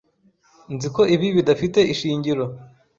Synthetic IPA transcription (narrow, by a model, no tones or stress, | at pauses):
nziko̞iβiβidafite̞ʔiʃiːɲɟiɾo̞